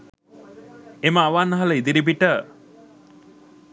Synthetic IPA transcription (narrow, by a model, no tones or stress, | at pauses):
eməaʋanːəɦaləid̪iɾibiʈə